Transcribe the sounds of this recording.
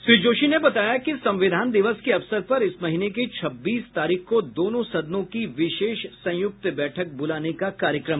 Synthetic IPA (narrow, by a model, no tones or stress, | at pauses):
ʃɾiːd͡ʒoːʃinebɐt̪aːjakisɐ̃mʋɪd̪ʱaːnd̪ɪʋəskeɐʋsəɾpɐɾɪsmɐɦineket͡ʃʰɐbːiːst̪aːɾiːxkod̪oːnõsɐd̪nõkiʋɪʃeːʃsɐ̃jʊk̚t̪bɛːʈʰək̚bʊlaːnekakaːɾjəkɾəm